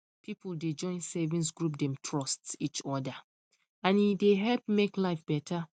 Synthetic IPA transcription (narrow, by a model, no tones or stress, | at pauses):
pʰipʰulded͡ʒɔ̃ɪ̃nsɛvĩns̬ɡɹup̬̚dɛ̃mtʰɹɔstit͡ʃɔda | ãnideɦɛlpmeklaɪfb̥ɛtʰa